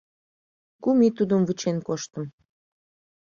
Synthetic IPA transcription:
kumit̪ud̪əmvɨt͡ɕenkoʃt̪əm

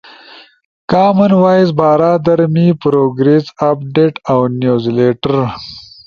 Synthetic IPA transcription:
kaːmɐnwaːjizbaːɾaːd̪ɐɾmipɾoːɡɾesapɖeːʈawnjuːzleʈɐɾ

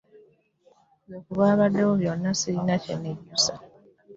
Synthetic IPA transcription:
βjoːkuβaːβadːewoβjo̞nːasiɾinacḛneɟːusa

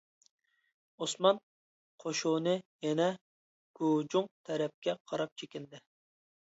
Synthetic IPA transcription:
osmɑn | qʰoʃunɨjɛnɛ | ɡ̥ud͡ʒuŋt̪ʰɛɾɛp̚kʲɛqʰɑɾɑp̚t͡ʃʰekʲɪnd̪ɪ

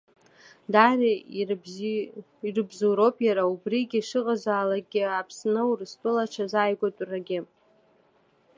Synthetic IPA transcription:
dara | irɨbzuɾopʰʼjaɾaubriɡʲiʂɨqʼazaːlaɡʲɪapʰsnɨurɨstʼɨlaʈ͡ʂʰazaːjɡʷatʼraɡʲɪ

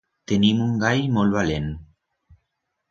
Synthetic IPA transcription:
t̪enimuŋɡajmolβalen

